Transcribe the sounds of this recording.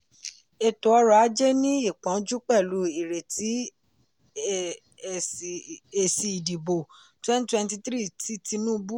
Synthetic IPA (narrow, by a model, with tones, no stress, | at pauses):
e˨to˨ɔ˧ɾa˨a˨˦d͡ʒe˦nĩ˦i˦˨k͡pɔ̃˨˦d͡ʒu˦k͡pɛ˦˨lu˨˦i˦˨ɾe˨ti˨˦˨ | e˧˨si˧˨i˨di˨bo˨twɛ̃˦n˨˦twɛ̃˧nti˧tɾi˦˨ti˦ti˧nũ˦˧bu˦